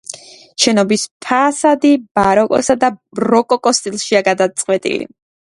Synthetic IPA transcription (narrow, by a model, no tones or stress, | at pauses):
ʃɛnɔbispʰaːsad̪ib̥aɾɔkʼɔ̰sad̪aɾɔkʼɔkʼɔst̪ʼilˠʃiaɡad̪at̪sʼqʼwɛt̪ʼḭlḭ